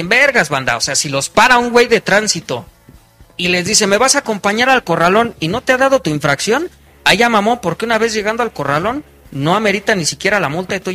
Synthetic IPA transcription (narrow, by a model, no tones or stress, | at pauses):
embe̞ɾɣazβand̪a̰ose̞asilo̞spaɾauŋɡwe̞jðe̞t̪ɾansit̪o̞̰ | ile̞zðise̞me̞βasaːko̞mpaɲaɾalko̞ralo̞nino̞t̪e̞aðað̞o̞t̪uiɱfɾaksjo̞n | aʝamamo̞po̞ɾkeunaβe̞zʝe̞ɣand̪oalko̞ralo̞nː | o̞ame̞ɾit̪anisikʲje̞ɾalamult̪aðet̪u